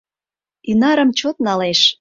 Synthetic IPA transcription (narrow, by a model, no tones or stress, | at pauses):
inɑɾəmt͡ɕot̪̚nɑleʃ